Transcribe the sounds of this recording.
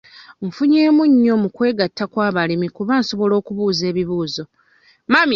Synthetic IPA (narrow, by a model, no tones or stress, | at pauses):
ɱfuɲe̞ːmuɲːo̞mukwe̞ːɡatʰːakwaːβalimikuβaːnso̞βo̞lo̞ːkuβuːze̞ːβiβuːzo̞ | mam